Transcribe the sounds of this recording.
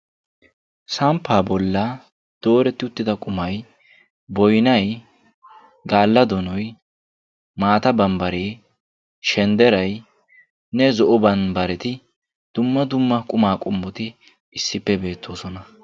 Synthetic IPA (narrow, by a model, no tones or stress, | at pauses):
sɐmpːaːbɔlːɐ | d̪̥o̞ːɾɛt̪ːɪʊt̪ːɪd̪ɐkʼʊmɐj | bɔjnɐj | ɡaːlːɐd̪ɔnɔj | maːt̪ɐbɐmbɐɾeː | ʃɛnd̪ɛɾɐj | nɛzɔʔɔbɐnbɐɾɛt̪ɪ | d̪̥ʊmːɐd̪ʊmːɐkʼʊmaːkʼʊmbʊt̪ɪ | ɪsːɪpːɛbe̞ːt̪ːo̞ːsɔnɐ